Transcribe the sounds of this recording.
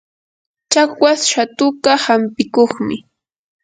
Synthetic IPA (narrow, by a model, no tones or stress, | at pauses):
t͡ʃakwasʃat̪ʊɢahampɪkoχmɪ